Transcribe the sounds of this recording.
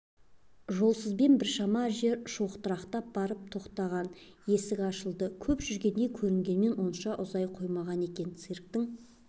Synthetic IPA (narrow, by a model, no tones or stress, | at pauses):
ʒo̞lˠsəzbe̞nbɪɾʃɑmɑʒe̞ɾʃoqt̪əɾɑqt̪ɑp̚b̥ɑɾəp̚t̪ʰo̞qt̪ɑʁɑn | je̞sɪkɑʃəlˠd̪əkʲʰɵpʒʏɾɡʲe̞nd̪e̞kʲʰɵɾɪŋɡʲe̞nme̞nwo̞nʃɑʔʊzɑjqʰo̞jmɑʁɑne̞kʲe̞nt̪sirk̚t̪ɪŋ